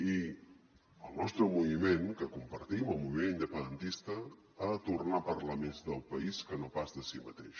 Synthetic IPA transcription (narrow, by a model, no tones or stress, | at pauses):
i | əlˠnɔst̪ɾəmuβimenkəkumpəɾt̪iməlˠmuβimenind̪əpənd̪ənt̪ist̪ə | at̪urnapərləmezðəlˠpəiskənopazðəsimə̰t̪eʃ